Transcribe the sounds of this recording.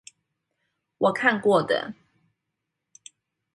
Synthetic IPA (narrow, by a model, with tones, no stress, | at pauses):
wʔɔ˨˩kʰa˥˨nkwɔ˥˨d̪ə̰˨